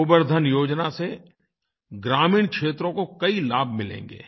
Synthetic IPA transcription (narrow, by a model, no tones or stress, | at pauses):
ʊbəɾd̪ʱənjoːd͡ʒnase | ɡɾaːmĩːɽkʃʰeːt̪ɾõkokɐilaːbʱmɪlḛ̃ːŋ̆ɡḛː